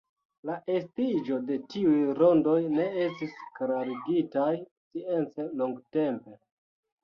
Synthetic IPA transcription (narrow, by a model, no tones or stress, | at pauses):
laʔe̞stid͡ʒo̞de̞tiujɾo̞ndo̞jne̞estiskɾaɾiɡitajsient͡se̞loŋɡte̞mpe̞